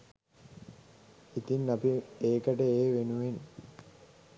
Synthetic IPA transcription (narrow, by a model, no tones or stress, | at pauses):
it̪inːapieːkəʈəeːʋenuʋen